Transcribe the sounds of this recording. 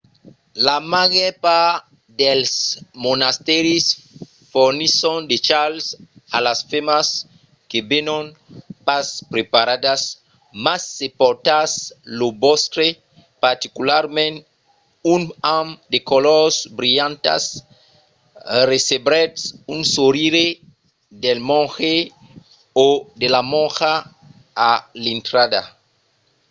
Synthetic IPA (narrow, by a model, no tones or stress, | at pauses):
lamaɣɛpa | d̪elsmonast̪ɛɾis | foɾnisõnd̪et͡ʃalsa̰lasfemas | kebenõnpaspɾepaɾad̪as | masːepɔɾt̪aslobɔstɾe | paɾt̪ikulaɾmẽnt | unãmd̪ekolɔsbɾiʎãnt̪a̰s | resebɾɛtsunsoɾiɾe | d̪elmõŋxe | od̪elamõŋxaː | lĩnt̪ɾad̪a̰